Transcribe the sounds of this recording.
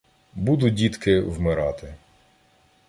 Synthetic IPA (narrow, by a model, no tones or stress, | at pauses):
bud̪ʊdʲit̪kɪwmɪɾɑt̪ɪ